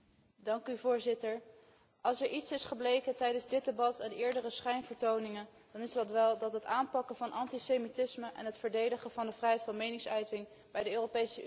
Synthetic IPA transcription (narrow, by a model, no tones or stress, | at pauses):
dɑŋkyvʊːɹzɪtəɹ | ɑlˠsɛɹʔitsɪsχəblejkətɛjdənzdɪtdebɑtɛnɪːɹdərəsχɛjnvəɹtownɪŋən | d̥ɑnɪzdɑtʋɛlˠdɑtɦətaːnpɑkəvɑnʔɑntisejmitɪsməʔɛ̰nɦətfəɹdejdəχəvɑndəvrɛjɦɛjtfɑnmejnɪŋsœɥtɪŋ | bɛjdəøːrowpejsə